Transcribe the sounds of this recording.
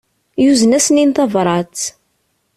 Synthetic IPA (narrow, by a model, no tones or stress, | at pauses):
juzənæsəninθɑvɾˤɑt͡s